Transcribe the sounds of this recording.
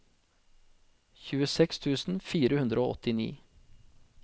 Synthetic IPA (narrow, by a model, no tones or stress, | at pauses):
çʉːəsɛkst̪ʰʉːsn̩fiːɾəhʉnd̪ɾəoːɔt̪ɪnḭː